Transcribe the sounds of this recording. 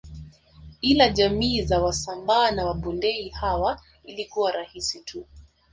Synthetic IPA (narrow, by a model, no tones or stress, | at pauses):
kilaʄamiːzawasambaːnawaɓundɛihawa | ilikuwaɾahisitʰu